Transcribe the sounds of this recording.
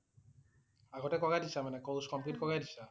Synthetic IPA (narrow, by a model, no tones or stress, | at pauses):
aɡɔtɛkɔɡadisamanɛkowskɔmplitkɔɡajdisa